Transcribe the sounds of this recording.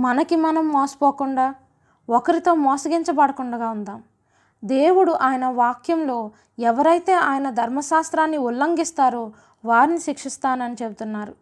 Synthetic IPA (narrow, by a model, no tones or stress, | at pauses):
mɐnɐkimɐnɐmːoːsɐ̥poːkuɳɖaː | okɐɾit̪oːmɔːsɐɡiɲt͡ʃɐbɐɽɐkuɳɖɐɡaːund̪aːm | d̪e̞ːwuɽuʔaːjɐnɐʋaːkjɐmlo̞ː | ɛʋɐɾɐjt̪e̞ːʔaːjɐnɐd̪ʱɐɾmɐʃaːst̪ɾaːnːiulːɐŋɡist̪aːɾuː | ʋaːɾiniʃikʂist̪aːnɐnit͡ʃebut̪unːaːɾu